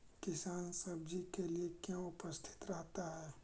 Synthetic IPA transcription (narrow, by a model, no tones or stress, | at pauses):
kɪsaːnsɐbd͡ʒikeliekjãʊpəst̪ʰɪ̥t̪ɾɐɦt̪aɦɛː